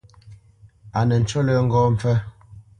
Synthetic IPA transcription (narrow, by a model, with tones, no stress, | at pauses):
a˨nə˨n̩˨t͡ʃo˦lə˦ŋ̩˦ɡɔː˦m̩˨fɛ˦